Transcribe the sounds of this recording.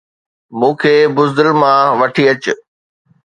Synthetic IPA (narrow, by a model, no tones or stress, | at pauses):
mũːkʰeːbʊzd̪ɪlmãʋɐʈʰiɐt͡ɕʊ